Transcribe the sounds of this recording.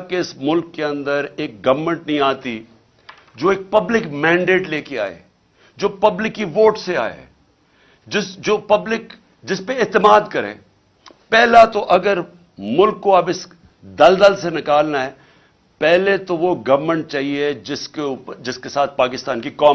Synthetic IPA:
keɪsmʊlkːeɐ̃nd̪əɾeːk̚ɡɐʋmə̃ɳʈnɐɦĩaːt̪i | d͡ʒoːeːk̚pɐblɪkmɛ̃ːɳɖeːʈleːkea̰ːḛ | d͡ʒoːpɐblɪkːiʋoːʈsea̰ːḛɦɛ̰ | d͡ʒɪsd͡ʒoːpɐblɪk | d͡ʒɪspeɪt̪ɪmaːd̪kɐɾḛ̃ː | pɛɦlat̪oʔɐɡəɾ | mʊlkːoɐbɪs | d̪ɐld̪əlsenɪkaːlnaɦɛː | pɛɦlet̪oʋoɡɐʋɾmə̃ɳʈ̚t͡ʃaːɦieɛd͡ʒɪskeʊpəd͡ʒɪskesaːt̪̚paːkɪst̪aːnkikɔː

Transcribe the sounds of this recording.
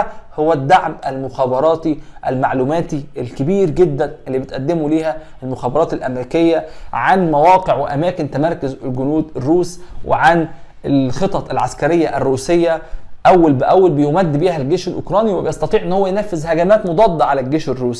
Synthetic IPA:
howːæd̪ːaʕmʔælmʊxæːbɑɾˤɑːt̪iʔæ̰lmaʕluːmæːt̪ielkebiːɾɡed̪ːænʔelːiːbet̪ʔæd̪ːemuliːhæ | elmʊxæːbɑɾˤɑːt̪elʔæmɾikejːæʕanmæwɑːqeʕweʔæmæːkɪnt̪æmɑɾˤkʊzelɡʊnuːd̪rːuːswʔḛʕan | elxet̪ˤɑælʕaskæɾejːæʔærːuːsejːæʔæwːælbɪʔæwːælbejomæd̪ːbiːhælɡeːʃælʔo̰kɾˤɑːniwebejesˤt̪ɑt̪ˤiːʕʔenːhowːæjenæfːezhæɡæmæːt̪mod̪ˤɑd̪ˤːɑʕalælɡeːʃærːuːsi

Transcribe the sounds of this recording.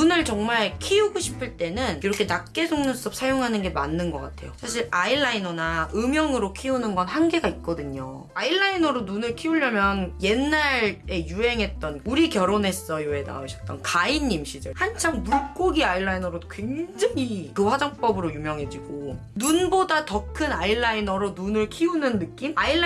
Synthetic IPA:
unɯɭt͡ɕʌŋmaɭkʰiuɡoɕʰi̥pʰɯɭt͈e̞nɯniɾʌkʰe̞nat̚k͈e̞sʰoŋnɯnsʰsʰʌp̚s͈ʰajoŋɦanɯnɡemanːɯnɡʌk͈atʰe̞josʰaɕʰiɾaiɭːainʌnaɯmjʌŋɯɾokʰiunɯnɡʌnhanɡe̞ɡait̚k͈ʌdɯɲo̰ | aiɭːainʌɾonunɯɭkʰiuɭːʌmjʌnje̞nːaɾe̞juɦe̞ŋɦe̞t̚t͈ʌnuɾikjʌɾone̞s͈ʌjoe̞na̰oɕʰʌt̚t͈ʌnkaiɲːimɕʰid͡ʑʌɭhant͡ɕʰambuɭk͈oɡiaiɭːainʌɾodokwe̞ŋd͡ʑaŋikɯɸwad͡ʑʌŋp͈ʌbɯɾojumjʌŋɦe̞d͡ʑiɡonunbodatʌkʰɯnaiɭːainʌɾonunɯɭkʰiunɯnːɯk͈imaiɭː

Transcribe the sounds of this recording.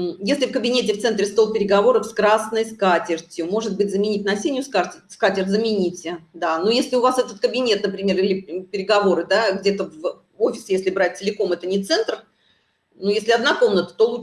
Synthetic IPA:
jesʲlʲɪfkəbʲɪnʲetʲɪft̪sɛnt̪ɾʲɪst̪o̞lˠpʲɪɾʲɪɡɐvo̞ɾəfskɾasnəjskatʲɪrtʲjʊmo̞ʐɨt̪̚bɨt̚ʲzəmʲɪnʲit̚ʲnɐsʲenʲɪjʊskartʲɪskatʲɪrzəmʲɪnʲitʲɪd̪anujesʲlʲɪʊvasɛt̪ət̪kəbʲɪnʲe̞t̪nəpɾʲɪmʲe̞rilʲɪpʲɪɾʲɪɡɐvo̞ɾɨd̪aɡdʲet̪əv | ofʲɪ̥sʲɪjesʲlʲɪbɾat̚ʲtʲɪlʲɪko̞mɛt̪ənʲɪt̪sɛnt̪r | nujesʲlʲɪɐznɐko̞mnət̪ə̥t̪o̞lˠu

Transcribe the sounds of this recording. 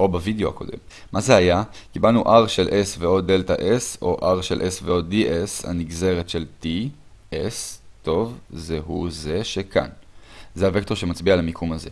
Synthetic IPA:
ʔo̞bavideo̞a̰ko̞̰dḛm | mʔazeaja | kibalnuʔaʁʃe̞lʔesveo̞d̪e̞ltaʔeso̞̰ʔaʁʃelʔesveo̞diʔesha̰niɡze̞ʁetʃe̞lti | ʔesto̞vzeɦuze̞ʃeka̰nzehave̞k̚to̞ʃemat͡sbialamikʰumaze̞̰

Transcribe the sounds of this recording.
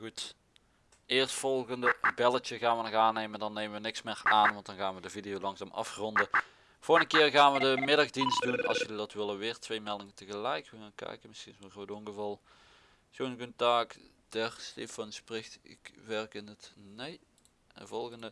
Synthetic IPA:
ut | ɪːɹstfɔlˠɣəndəbɛlˠət͡ʃəɣaːnʋənɔɣaːnejməndɑnːejməʋənɪksmɪːraːnʋɑntd̥ɑnɣaːnʋədəvidijolɑŋzaːmɑ̰frɔndə | v̥oːənkɪːrɣaːnʋədəmɪdɑxdinst̚dunɑ̰lˠsjəldɑtʋɪlˠəʋɪːrtʋejmɛlˠdɪŋətəɣəlɛjkʋəɣaːnkɛ̰jkəmɪsxinsʋaɣodɔnɣəvɑlˠ | sownɡyntaːkd̥ərsteːfɑnsprɪxtɪ̰kʋɛrkɪnətnej | vɔlˠɣəndə

